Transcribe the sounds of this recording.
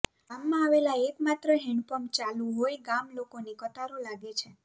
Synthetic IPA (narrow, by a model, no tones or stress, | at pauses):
amːãaʋelaekmat̪ɾəɦɪɳpəmt͡ʃalũɦojɡamlokonekət̪aɾolaɡet͡ʃʰe